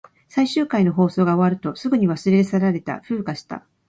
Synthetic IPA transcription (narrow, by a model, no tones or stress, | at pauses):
saiɕɨːkaino̞ɦo̞ːso̞ːɡao̞βaɾɯ̟t̪o̞sɨɡɯ̟ɲ̟iβasɨɾeesaɾaɾe̞t̪a̰ɸɯ̟ːkaɕi̥t̪a̰